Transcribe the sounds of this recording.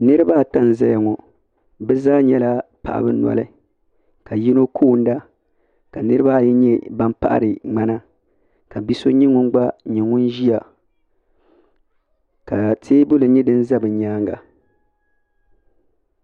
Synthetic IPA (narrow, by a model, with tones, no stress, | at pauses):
nɨ˦ɾɨ˦ba˦˨ta˦˨n˨za˦ja˨ŋɔ˨ | bɛ˦zaː˦ɲɛ˦la˦pa̰˨ʔa̰˨bɨ˦na̰˨lɨ˦ | ka˨ji˦no˦kʰoː˦˨n˦da˦ | ka˨nɨ˦ɾɨ˦ba˦˨jɛ˦ɲɛ˦ba˦mpa̰˦ʔa̰˨ɾɨ˨ŋ͡ma˦na˦ | ka˨bi˦so˦ɲi˦ŋʊ˦n˦ɡ͡ba˦ɲi˨ŋʊ˦nʒi˦a˨ | ka˨tʰeː˦bʊ˦lɨ˨ɲɛ˦dɨ˦n˦za˦bɨ˨ɲaː˦ŋɡa̰˨